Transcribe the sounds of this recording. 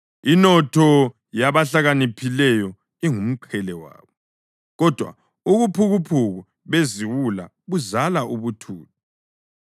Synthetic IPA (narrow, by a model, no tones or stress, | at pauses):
inɔtʰɔ | jaβaɬaɣanipʰilɛjɔ | iŋum̩ǃʰɛlɛwa̰ːβɔ | ɣɔd̥ʱwa̰ | uɣupʰuɣupʰuɣu | βeziwula̰ | βuzalaʔuβutʰṵːtu